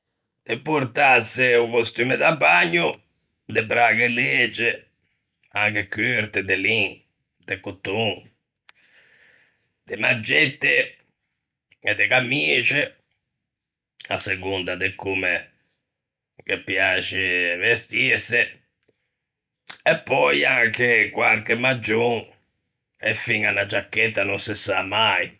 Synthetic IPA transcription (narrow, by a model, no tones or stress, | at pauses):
d̪̥epːuɾt̪asɪukost̪yːmed̪abːaɲːu | d̪ɪbɾaːɡeleːd͡ʒe | aŋkekyɾt̪ed̪eliŋ | d̪ekut̪ːuŋ | d̪̥ɪmad͡ʒɛt̪ːɪ | ɛd̪ekamiːt͡ʃɪ | a̰seɡund̪ad̪ekːume | kepːjaːt͡ʃɪvest̪isɪ | ɛpːɔjaŋkekwalkemːad͡ʒːuŋ | ɛfiŋanːad͡ʒːakːɛt̪ːanunsɪsamaj